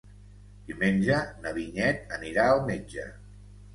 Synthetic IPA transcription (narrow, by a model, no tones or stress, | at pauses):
d̪̥imenʲʒənəβiɲɛt̪̚əniɾaəlˠmed͡ʒə̰